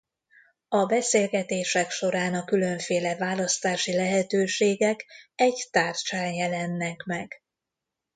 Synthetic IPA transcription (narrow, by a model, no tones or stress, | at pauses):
ɒbɛseːlɡɛt̪eːʃɛkʃo̞ɾaːnɒkylø̞ɱfeːlɛvaːlɒst̪aːʃilɛɦɛt̪øːʃeːɡɛkɛɟt̪aːrt͡ʃaːnjɛlɛnːɛkmɛɡ̥